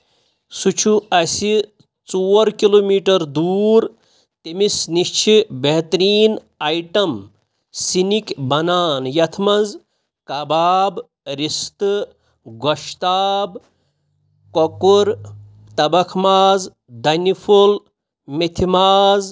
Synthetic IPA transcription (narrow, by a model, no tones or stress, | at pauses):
sut͡ʃʰuɐsi | t͡soːɾkiloːmiːʈɐɾd̪uːɾ | t̪imisniʃt͡ʃʰibeɦt̪ɾiːn | ajʈɐm | sinikbɐnaːnjɐt̪ʰmɐz | kɐbaːb | ɾist̪ɨ | ɡoʃt̪aːb | kokuɾ | t̪ɐbɐkʰmaːz | d̪ɐnipʰol | mit̪ʰimaːz